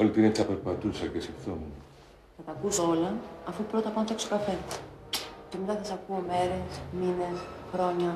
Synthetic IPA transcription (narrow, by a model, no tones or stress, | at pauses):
olit̪inet͡sɐpeɾpɐt̪usɐcesifθomu | θɐt̪ɐkusoo̞lɐːfupɾot̪ɐpɐnt̪eksokɐfe̞ | cemit̪ɐsɐsɐkuome̞ɾe̞smine̞sxɾo̞ɲɐ